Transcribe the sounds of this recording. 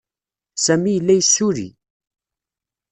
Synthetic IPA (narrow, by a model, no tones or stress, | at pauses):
sæmijəlːæjəsːʊɾḭ